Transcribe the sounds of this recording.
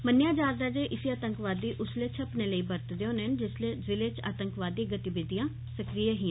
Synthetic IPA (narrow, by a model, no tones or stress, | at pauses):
mənjaːd͡ʒaːɾd̪aːd͡ʒeːʔɪsiːaːt̪əŋkʋaːd̪ːiːʔʊsleːt͡ʃʰəpneːləiːbəɾt̪d̪eõːnənd͡ʒɪsleːzɪleːt͡ʃʰa̰ːt̪əŋkʋaːd̪ːiːɡət̪ibɪd̪ijãː | səkɾijeɦiː